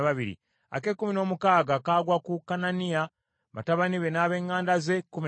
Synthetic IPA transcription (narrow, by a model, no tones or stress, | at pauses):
βaβiɾḭ | a̰ke̞kumino̞mukaːɡakaːɡwakukananija | βa̰taβaniβe̞naːβe̞ːŋɡaːndaze̞kumi